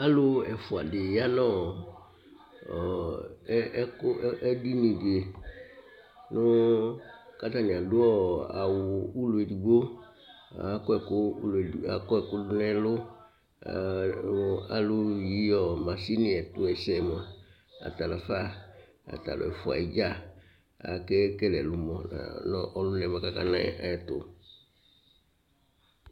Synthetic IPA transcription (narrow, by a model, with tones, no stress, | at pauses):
a˦lʊ˦ɛ˨fʊ˨a˨dɪ˨ja˦nɔ̃˦˨˦ | kʊ˦ɛ˦di˦nĩ˨dɪ˨e˨ | nʊ˦ | ka˦t̪a˦˨nɪ̃˨a˨dʊ˦ɔ˦a˨wʊ˨u˦lʊ˨ɛ˨du˨ɡo˦ | a˨kɔ˦ɛ˨kʊ˦la˨kɔ˦ɛ˨kʊ˦dʊ˦nɛ̃˦lʊ˦ | a˨lʊ˦˨ji˦ɔ˨mã˨si˦nɪ̃˦ɛ˨tʊ˦ɛ˨sɛ˨mɔ˨ | a̰˨ta˨la˨fa˦ | a̰˨ta̰˨lʊ̰˨ɛ̰˨fʊ˨a̰˨i˨d͡ʒa˦ | a̰˨kɛ˦kɛ˦lɛ˨lʊ˨mɔ˨a̰˨nɔ˦ʔɔ˦lʊ˦nɛ̃˨mɔ̃˨ka˦ka̰˦nã̰˦ɛ̰˦a̰˨ɛ˨tʊ̰˨